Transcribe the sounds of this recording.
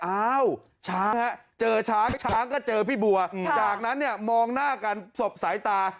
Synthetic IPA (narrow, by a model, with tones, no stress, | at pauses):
ʔaː˦˥˩w | t͡ɕʰaː˦˥ŋha˦˥t͡ɕɤː˧t͡ɕʰaː˦˥t͡ɕʰaː˦˥ŋkɔː˥˩t͡ɕɤː˧pʰiː˥˩bu˧ɐt͡ɕaː˨˩k̚na˦˥nːi˥˩ɐmɔː˧ŋnaː˥˩ka˧nso˨˩p̚sa˩˦jt̪aː˧